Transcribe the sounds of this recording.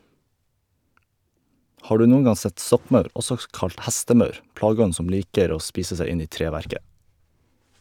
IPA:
ˈhɑː ˈɖʉː ˈnuːn̩ ˈɡɑ ˈsɛt ˈsɔkˌmœʉɾ ˈɔsɔ ˈkɑlt ˈhæstəˌmœʉɾ ˈplɑːˌɡɔn̩ ˈsɔm ˈliːkəɾ ˈoː ˈspiːsə ˈsæ ˈɪn ˈiː ˈtɾeːˌʋæɾkə

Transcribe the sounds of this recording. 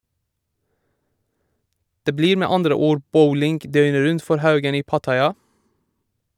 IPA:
ˈdeː ˈbliːɾ ˈmeː ˈɑndɾə ˈuːɾ ˈbəʊlɪŋɡ ˈdœʏnə ˈɾʉnt ˈfɔɾ ˈhɑʉɡən ˈiː ˈpɑtɑɪˌɑː

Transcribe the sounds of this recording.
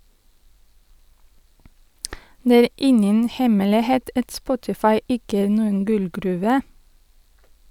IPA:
ˈneː ˈæːɾ ˈɪŋən ˈhɛmɛlɪˌheːt ˈɑt ˈspɔtɪfɑɪ ˈɪkə ˈæːɾ ˈnuːən ˈɡʉlɡɾʉːʋə

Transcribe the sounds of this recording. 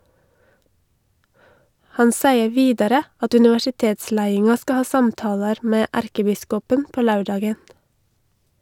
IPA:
ˈhɑn ˈsæɪə ˈʋiːdɑɾə ˈɑt ʉnɪʋæʃɪˈteːtˌslæɪɪŋɑ ˈskɑ ˈhɑː ˈsɑmtɑːlɑɾ ˈmeː ˈʔæɾkəˌbɪskɔpən ˈpoː ˈlɑʉˌɖɑːɡən

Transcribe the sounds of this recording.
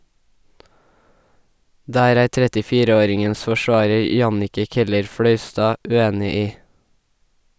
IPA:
ˈdæːɾ ˈæːɾ ˌtɾɛtɪˈfiːɾə ˈoːɾɪŋəns fɔˈʃʋɑːɹəɹ ˈjɑnɪkə ˌkɛləɹˈfɽœʏˌstɑː ʉˈeːnɪ ˈiː

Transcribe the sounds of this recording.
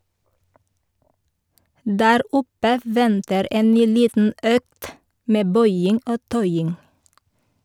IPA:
ˈdæːɾ ˈʊpə ˈʋɛntəɾ ˈeːn ˈnyː ˈliːtn̩ ˈøːkt ˈmeː ˈbœʏɪŋ ˈoː ˈtœʏɪŋ

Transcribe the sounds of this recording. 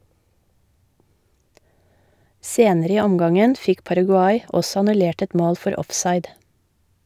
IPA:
ˈseːnəɾə ˈiː ˈɔmɡɑŋən ˈfɪk pɑɾɑɡʉˈɑɪ ˈɔsɔ ɑnʉˈleːʈ ˈɛt ˈmoːl ˈfɔɾ ˈɔfsɑɪd

